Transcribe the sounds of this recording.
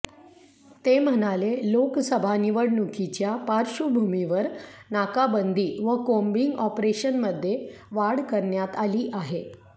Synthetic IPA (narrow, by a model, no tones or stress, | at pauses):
t̪em̤əñaleloksəbʱaniʋəɽnukʰit͡ɕjapaɾɕubʱumiʋəɾnakabənd̪ʱiːʋəkombiŋɡɔpɾeɕənməd̪ʱːje | ʋaɽkəɾɳjat̪aliːʔaɦe